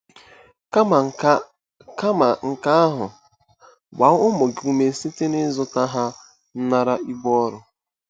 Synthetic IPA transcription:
ka˦˨ | ka˦ma˨ŋ̩˨ka˦a˦ɦʊ˨ | ɡ͡ba˨˦ʊ˦mo˨ɡɪ˨u˦me˨˦si˦tɪ˦nɪ˦zʊ˦ta˦ɦa˦ | n̩˦na˦ɾa˦i˦ɡ͡bɔ˦ɔ˦ɾʊ˨

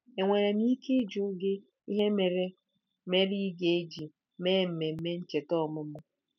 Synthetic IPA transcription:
e˨ŋʷe˨ɾe˨ni˦ke˦d͡ʒu˨˦ɡɪ˦ | i˦ɦe˦me˨ɾe˦ | me˦ɾi˦ɡe˨e˦d͡ʒi˨ | me˦m̩˨me˨m̩˦me˦n̩˦t͡ʃe˨tɔ˦˨mʊ˦mʊ˦

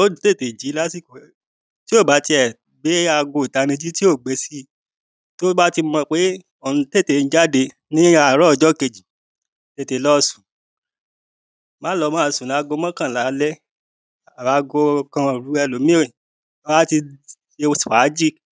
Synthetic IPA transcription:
o˦du˨te˦˨te˨d͡ʒi˨˦la˦si˦˨ko˨ | ti˦o˦˨ba˨˦ti˧ɛ˨ | be˨˦a˧ɡo˧˨i˨ta˨˧nĩ˧d͡ʒi˦ti˦o˦˨ɡ͡be˨˧˦si˦ | to˦ba˦ti˧mɔ̃˧k͡pe˨˦ | ɔ˨ũ˨˧te˦˨te˨˧˨n̩˦d͡ʒa˦de˧ | nĩ˦a˧˨ɾɔ˦˧˨d͡ʒɔ˦ke˧d͡ʒi˨ | te˦˨te˧lɔ˦sũ̥˨ | mã˨˦lɔ˧˦mã˦a˨˧˨sũ˨la˨˦ɡo˧˦mɔ̃˦kã˦˨la˨˦lɛ˦ | a˨a˨˧˦ɡo˧kã˧˨ɾu˨˦ɛ˧lo˨˦mĩ˦o˦˨˦ | ba˦ti˧ | ʃe˧˦si˨wa˨˦d͡ʒi˦˨k

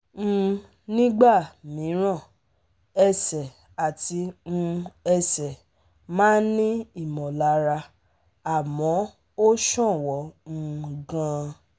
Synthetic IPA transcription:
nĩ˦ɡ͡ba˦˨mĩ˨˦ɾ̃ã˦˨ | ɛ˧sɛ˨ | a˨ti˨˧ũ˧ɛ˧sɛ˨ | mãː˦n˦nĩ˦i˦˨mɔ̃˨la˨˦ɾa˧ | a˨mɔ̃˨˦ | o˦ʃɔ̃˦˨wɔ˨˦ñ̩˧ɡã˧

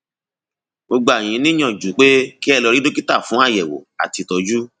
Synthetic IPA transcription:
ɡ͡bo˧ɡ͡ba˨j̃ĩ˨˧˦nĩ˦j̃ɔ̃˦˨d͡ʒu˨˦k͡pe˦ki˦ɛ˦˧˨lɔ˧ɾi˦do˦ki˦ta˦˨fũ˨˦a˦˨jɛ˨wo̰˨a̰˨ti˨˧tɔ˧d͡ʒu˦

